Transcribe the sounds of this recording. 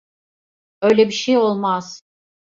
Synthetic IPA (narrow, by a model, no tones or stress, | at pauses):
øjlʲɛbiʃejolˠmaz̥